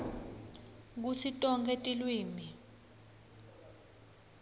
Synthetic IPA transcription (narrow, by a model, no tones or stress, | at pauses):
k̬usitʼɔŋkʰɛtʼilwiːmi